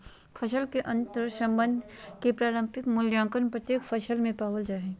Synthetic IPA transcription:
fʰɐʃəlkeʔɐ̃nt̪əɾsɐ̃mbə̃nd̪ʱkepɾaːɾə̃mpɪkmʊljãːŋkəɾnpɾət̪jeːkfʰɐʃəlmẽpaːʋəld͡ʒaːɦeː

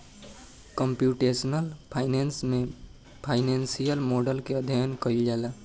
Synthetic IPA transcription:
kəmpjuʈesnəlpʰaɪnensme | pʰaɪnensijəlmoɖəlkeəd̪ʱjaənkəild͡ʒɛla

